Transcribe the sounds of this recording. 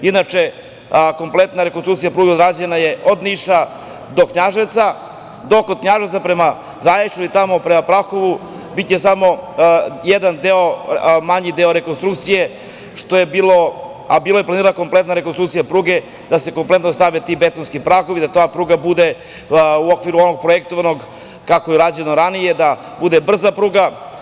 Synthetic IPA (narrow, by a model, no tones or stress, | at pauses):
inat͡ʂe | ko̞mplˠet̪naɾekonst̪ɾukt̪sijapɾuːɡeod̪ɾaːd͡ʑenaje̞od̪niʃa | d̪okɲaʒet̪sa | d̪okod̪̚kɲaʒet̪sapɾema | zajet͡ʃuit̪amo̞pɾemapɾaxoʋu | bit̪t͡ɕesamo̞ | jed̪and̪eomaɲid̪eoɾekonst̪ɾukt̪sije | ʃt̪o̞jebiːlo̞ | abiːlojeplaniːɾaako̞mplet̪naɾekonst̪ɾukt̪ijapɾuːɡe̞ | d̪̥ase̞ko̞mple̞t̪nost̪aʋet̪ibet̪onskipɾaxoʋid̪at̪oapɾuːɡabud̪e | uokʋiɾuonoɡ̚pɾojekt̪oʋanoɡ | kakojeuɾad͡ʑuenoɾanijed̪a | bud̪ebr̩zapɾuːɡa